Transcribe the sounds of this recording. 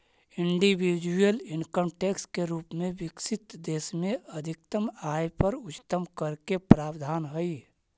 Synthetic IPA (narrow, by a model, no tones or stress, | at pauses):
ɪɳɖiwid͡ʒujəlɪnkəmʈeːkskeɾuːpmẽʋɪksɪt̪d̪eːsmẽəd̪ʱɪk̚t̪əmaːjpəɾʊt͡ʃt̪əmkəɾkepɾaːbd̪ʱaːnɦəi